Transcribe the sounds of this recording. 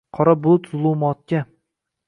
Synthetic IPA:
qʰɒɾabʊlˠʊt̪zʊlˠumɒt̪̚kʲa

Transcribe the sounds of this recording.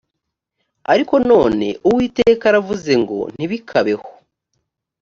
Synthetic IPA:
aɾiko̞no̞ːne̞̰ʔuwiːteːkaɾavuze̞ŋɡo̞̰n̥iβikʰaβe̞ho

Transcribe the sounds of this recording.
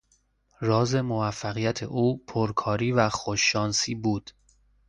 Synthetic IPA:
rɒːze̞movæfːæɣijæt̪ʰḛʔuːpʰoɾkʰɒːɾiːvæxoʃːɒːnsiːbuːd̪̥

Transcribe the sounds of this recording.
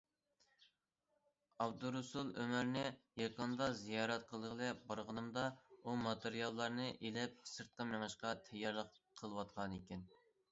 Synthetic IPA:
ɑbd̪uɾusulˠømæɾnɪjɑqənd̪ɑzijɑːɾɛt̪̚qʰəlˠəʁlˠɛbɑɾʁənɨmd̪ɑumɑt̪eɾijɑlˠːɑɾnɨʔelɪp̚sɨɾt̪̚qəmæŋɨʃqɑt̪ʰɛjːɑɾlˠəqqʰəlˠɨwɑt̪̚qʰɑnekʲɛn

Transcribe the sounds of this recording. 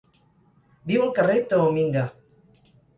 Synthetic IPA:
biuŋkaret̪oomiŋɡa

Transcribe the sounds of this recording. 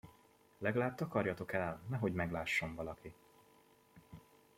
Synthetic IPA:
lɛɡɒlaːb̚t̪ɒkɒrjɒt̪o̞kɛlnɛɦo̞ɟmɛɡlaːʃːo̞ɱvɒlɒki

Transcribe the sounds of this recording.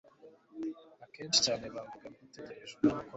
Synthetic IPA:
ake̞ːnt͡ʃi̥caːne̞βaːmvuɡamiteɾeɾeʒɡaβako

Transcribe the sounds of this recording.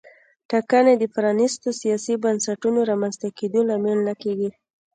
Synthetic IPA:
ʈɑkaned̪əfɾɑnist̪osijɑsibansaʈunoɾɑmanzt̪aked̪olamelːakeɡi

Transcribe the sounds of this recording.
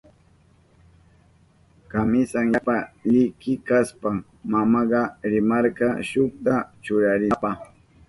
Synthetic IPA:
kamɪsaŋjapaʎɪkɪkaspa | mamɑɢɑɾɪmɑɾkɑʃoχt̪at͡ʃʊɾaɾɪpɑχ

